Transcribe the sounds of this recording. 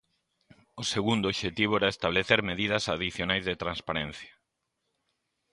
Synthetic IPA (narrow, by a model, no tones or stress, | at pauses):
ʊseɣund̪ʊoβʃet̪iβʊeɾaest̪aβleθeɾmeðiðɐsaðiθjonajzðet̪ɾanspaɾen̟θjɐ̥